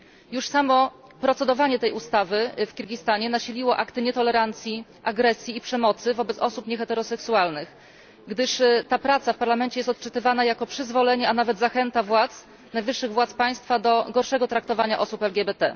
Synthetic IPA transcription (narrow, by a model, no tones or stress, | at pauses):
juʂsamɔ | pɾɔt̪sɛd̪ɔvaɲɛt̪ɛjust̪avɘfkʲiɾɡʲist̪aɲɛnaɕilʲiwɔʔakt̪ɘɲɛt̪ɔlɛɾant̪sʲjiʔaɡɾɛsʲjiːpʂɛmɔt̪sɘvɔbɛt̪ɔsupɲɛxɛt̪ɛɾɔsɛksualnɘx | ɡd̪ɘʂt̪apɾat̪safpaɾlamɛnt͡ɕɛjɛst̪ɔt̪̚t͡ʂɘt̪ɘvanajakɔpʂɘzvɔlɛɲɛanavɛd̪zaxɛnt̪avwat̪s | najvɘʂːɘɣvwat̪spaj̃st̪fad̪ɔɡɔɾʂɛɡɔt̪ɾak̚t̪ɔvaɲaʔɔsupɛlɡʲɛbɛt̪ɛ̰